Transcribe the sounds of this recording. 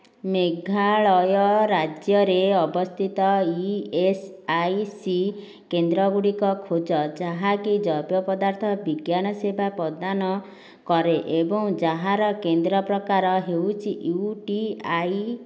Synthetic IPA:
meɡʱaɭɔjɔɾad͡ʒjɔɾeɔbɔst̪ʰit̪ɔiesajsi | kend̪ɾɔɡuɽikɔkʰod͡ʒɔd͡ʒaɦakid͡ʒɔbjɔpɔd̪aɾt̪ʰɔbiɡjanɔsebʱapɔd̪anɔ | kɔɾeʔebɔŋd͡ʒaɦaɾɔkend̪ɾɔpɾɔkaɾɔɦewt͡ʃʰiʔuʈiaj

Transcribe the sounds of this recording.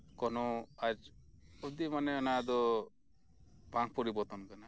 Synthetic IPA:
kɔnɔaɾɔd̪imanɛɔnad̪ɔ | bʱaŋ̚pɔɾibɔɾt̪ɔnkana

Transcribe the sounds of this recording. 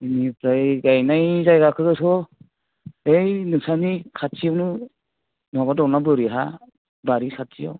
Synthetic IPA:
inipɾajɡajnajzajɡakʰɯɡɯsɔ | ejnɯsanikʰatsʰijawnɯ | nabadɔwnabɯɾiɦa̰ | baɾisʰatsʰijaw

